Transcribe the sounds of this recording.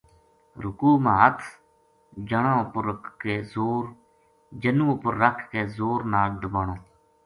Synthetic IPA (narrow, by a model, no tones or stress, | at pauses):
ɾʊkuːmaːət̪ʰ | d͡ʒəɳãːʊpəɾəkʰːeːzoːɾ | d͡ʒənũːʊpəɾːəkʰkeːzoːɾnaːlɖ̪əbaːɳoː